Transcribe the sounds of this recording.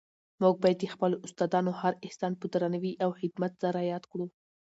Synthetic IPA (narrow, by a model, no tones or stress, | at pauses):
muɡ̚bɑjad̪expəloʊst̪ɑd̪ɑnohaɾɪhsɑnpəd̪ɾanawiʔawxɪd̪mat̪zaɾajɑd̪kɽu